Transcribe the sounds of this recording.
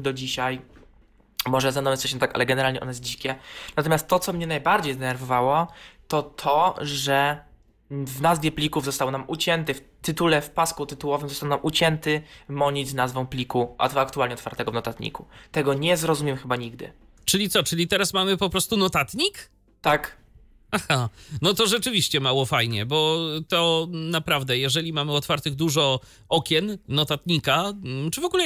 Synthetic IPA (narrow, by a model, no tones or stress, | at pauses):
d̪ɔd͡ʑiɕaj | mɔʐɛzanɔmɛsɛɕɛ̃nt̪aka̰lɛɡɛnɛɾalɲɛ̰ʔɔ̰nɛjɛs̬d͡ʑikʲɛnat̪ɔmʲast̪ːɔt̪sɔmɲɛnajbaɾd͡ʑejd̪ɛnɛɾvɔvawɔt̪ɔt̪ʰɔʐɛ | vnazvʲjɛplʲikuvzɔst̪awɔnamʔut͡ɕɛnt̪ɨft̪ɘt̪ulɛfpaskut̪ɘt̪uwɔvɘmzɔst̪awɔnamʔut͡ɕɛnt̪ɘmɔɲid͡ʑʲznazvɔ̃w̃plʲikuʔa̰t̪akt̪ualʲɲɛɔt̪fa̰ɾt̪ɛɡɔvnɔt̪at̪ɲḭkut̪ɛɡɔɲɛzɾɔzumʲjɛmxɘbaɲiɡ̚d̪ɘ̰ | t͡ʂɘlʲit̪sɔt͡ʂɘlʲit̪ɛɾasmamɘpɔpɾɔst̪unɔt̪at̪ɲik | t̪ak | axanɔt̪ɔʐɛt͡ʂɘvʲiɕt͡ɕɛmawɔfajɲɛbɔt̪ɔnapɾavd̪ɛjɛʐɛlʲimamɘɔt̪faɾt̪ɘɣd̪uʐɔ | ɔkʲjɛnːɔt̪at̪ɲikat͡ʂɘvɔɡulɛ